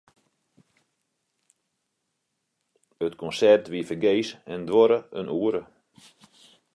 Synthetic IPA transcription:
ətkɔnsɛrtʋiəfərɡeːsɛndʋɔɾəə̰nʔuːəɾə

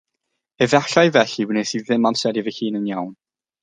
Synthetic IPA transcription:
əvaɬajvɛɬiwənɛsiðɪmamsɛdivəhiːnənjawn

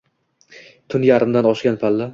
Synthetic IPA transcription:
t̪ʰʊnjaɾɪmd̪anɒʃɡʲanpʰalːa

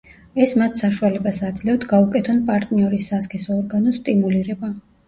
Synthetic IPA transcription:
ɛsmat̪ʰsaʃualɛbasad̪zlɛwd̪ɡaukʼɛt̪ʰɔnpʼaɾt̪ʼniɔɾisːaskʼɛsɔːɾɡanɔst̪ʼimuliɾɛba

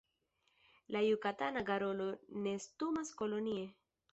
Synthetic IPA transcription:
lajukatanaɡaɾo̞lo̞ne̞stumasko̞lo̞nie

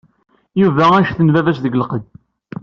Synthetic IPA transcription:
juvææʃθənvævæsðəɡlqəd̪

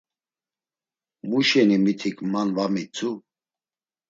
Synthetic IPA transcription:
muʃɛnimit̪ʰikʰʼmanvamit͡sʰʼu

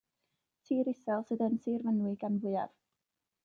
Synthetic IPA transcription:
tʰiːɾɪsɛlˠsədənsɨːrvənwɪɡanvʊɨa̰v̥

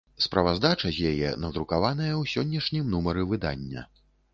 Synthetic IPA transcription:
spɾɐvazd̪at͡ʂɐzʲjajɛ̰nɐd̪ɾukavanɐjɐwsʲɔnʲːɐʂnʲimnumɐɾɨvɨd̪a̰nʲːɐ̰

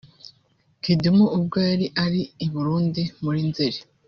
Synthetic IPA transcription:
kidumuʔub̚ɡaːɾiʔaɾiːβuɾuːndimuɾinzeɾe

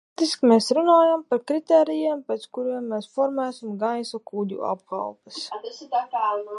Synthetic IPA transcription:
t̪iskmeːsɾunaːjampaɾkɾit̪eːɾijɛːmpɛt̪skuɾiɛmːɛːsfɔɾmæːsimɡajsɔkuːd̪ʲṵa̰pka̰lˠpəssd̪aka

